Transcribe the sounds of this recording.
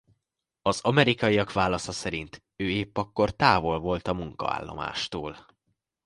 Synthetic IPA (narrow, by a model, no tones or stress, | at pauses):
ɒzɒmɛɾikɒiɒkʋaːlɒsɒsɛɾint̪ | øːeːpːɒkːo̞rt̪aːvo̞lvo̞lt̪ɒmuŋkɒ̰a̰ːlːo̞̰ma̰ːʃt̪oːl